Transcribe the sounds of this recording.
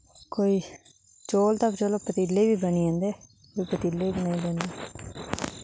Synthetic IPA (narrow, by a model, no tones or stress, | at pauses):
koːiː | t͡ʃoːlt̪əpt͡ʃoːloːpət̪iːlːeiːʋiːbəniːãːnd̪eː | koiːpət̪iːlːeːiːbənaːĩːlɛːnd̪eː